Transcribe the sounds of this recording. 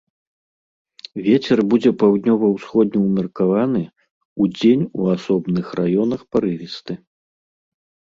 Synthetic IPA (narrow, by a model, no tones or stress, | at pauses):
vʲet͡sʲɛrbud͡zʲɛpawd̪ʲnʲɔvɐwsxɔd̪̚ʲnʲɛwmʲɛrkavanɨ | ud͡zʲenʲuasɔbnɨxrajɔnɐxpaɾɨvʲist̪ɨ